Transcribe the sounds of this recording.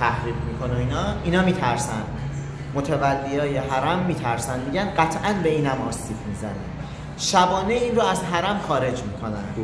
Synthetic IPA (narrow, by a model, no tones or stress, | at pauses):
t̪ʰæhɾiːɡmiːkʰo̞noiːnɒːiːnɒːmiːt̪ʰæɾsæ̰nd̪̥ | mot̪ʰevælːeɒːje̞ɦæɾæmːiːt̪ʰæɾsænd̪miːɟænɢæt̪ʰʔænbe̞iːnæmɒːsiːfmizænæ̰nd̥̪ | ʃæbɒːneiːnɾoæzɦæɾæmxɒːɾe̞d͡ʒmiːkʰo̞næ̰nd̪̥